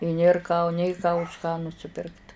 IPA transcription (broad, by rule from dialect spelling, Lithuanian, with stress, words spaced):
ɪ ˈnʲeːr kɑː nʲeː kɑː ʊʃ kɑː nʊsʲɪˈpʲɪrkt